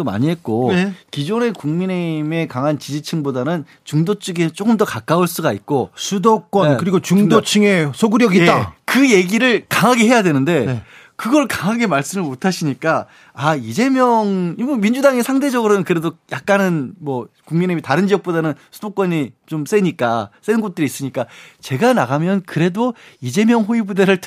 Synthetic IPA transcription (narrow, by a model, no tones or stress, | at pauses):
oma̰ɲiɦe̞t̚k͈okid͡ʑone̞kuŋmine̞ime̞kaŋɦant͡ɕid͡ʑit͡ɕʰɯŋbodanɯn | t͡ɕuŋdot͡ɕʰɯɡet͡ɕ͈ok͈ɯmdʌkak͈auɭs͈uɡait̚k͈osʰudok͈wʌnkɯɾiɡot͡ɕuŋdot͡ɕʰɯŋesʰoɡɯɾjʌɡijeakɯje̞ɡiɾɯɭkaŋɦaɡeɦe̞jadwe̞nɯnde̞ne | kɯɡʌɭkaŋɦaɡe̞maɭs͈ɯmɯɭmotʰaɕʰiɲik͈a | aid͡ʑe̞mjʌŋiomind͡ʑudaŋesʰaŋde̞d͡ʑʌɡɯɾonɯnkɯɾe̞dojak̚k͈anɯnmwʌkuŋmineimitaɾɯnd͡ʑiʌk̚p͈odanɯnsʰudok͈wʌɲit͡ɕoms͈eɲik͈as͈enɯnɡot̚t͈ɯɾiːs͈ɯɲik͈at͡ɕe̞ɡanaɣamjʌnkɯɾe̞doid͡ʑe̞mjʌŋɸoibudeɾɯɭt